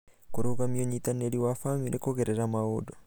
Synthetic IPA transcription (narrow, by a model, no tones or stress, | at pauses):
kuɾuɣamioɲitaneliwafamiɾekoɣeɾeɾamaudo